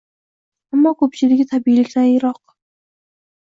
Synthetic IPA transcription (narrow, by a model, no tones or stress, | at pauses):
amːɒːkʰɵp̚t͡ʃʰɪlɪɡʲɪt̪ʰabijlɪkʲlanjɪɾɒq